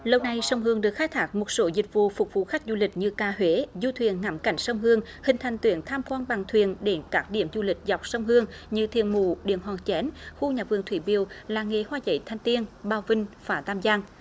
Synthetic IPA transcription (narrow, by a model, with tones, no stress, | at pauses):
lə˧wna˨˩jsə˧wŋ͡mɦɨ˧əŋɗɨ˨˩ək̚xaː˦jt̪ʰaː˦˥k̚mo˨˩t̚so˨˦zï˨˩k̟̚vṵ˧˨fʊ˨˩k͡p̚vṵ˧˥xa˦˥k̟̚zu˧lï˨˩k̚ɲɨ˧kaː˧ɦwe˨˦zu˧t̪ʰwi˨˩ənŋa˨˦mka˧˩jŋ̟sə˧wŋ͡mɦɨ˧əŋ | hï˨˩ŋ̟t̪ʰa˨˩jŋ̟t̪wḭ˧˩ənt̪ʰaː˧mkwaː˧nɓa˨˩ŋt̪ʰwi˨ənɗe˧˦nkaː˦˥k̚ɗḭ˧˩əmzu˧lï˨˩k̟̚za˨˩wk͡p̚sə˧wŋ͡mɦɨ˧əŋɲɨ˧t̪ʰḭ˧˨ənmṵ˧˩ɗḭ˧˨ənɦwaː˨˩ŋt͡ɕɛ˨˦nxu˧ɲaː˨˩vɨ̰˧˨əŋt̪ʰwi˧˩ɓi˨˧˩əwlaː˨˩ŋe˨˩hwaː˧zə̰˧˩jt̪ʰa˧jŋ̟t̪i˧ənɓaː˧˩wvï˧ŋ̟vaː˧˩t̪aː˧mzaː˧ŋ